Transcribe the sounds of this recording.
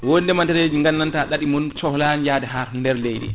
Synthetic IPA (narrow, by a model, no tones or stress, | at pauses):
wondɛmantɛɾeːd͡ʒiŋɡanːantaɗaɗimɔnt͡ʃɔhlanjaːdɛɦaɾndɛɾlejɗɛ̰